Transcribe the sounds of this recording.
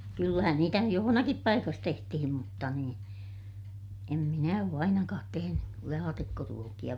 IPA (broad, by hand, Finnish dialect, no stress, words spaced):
kylːæhæn niːtæ nyj johonɑkip pɑikɑs tehtihim mutːɑ niːn em minæ oː ɑinɑkɑːt teheny lɑːtikːoruokij̆ɑ